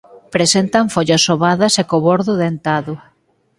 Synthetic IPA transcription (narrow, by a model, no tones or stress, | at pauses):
pɾesent̪ɐɱfoʎasːoβaðɐsekoβoɾðʊðent̪aðʊ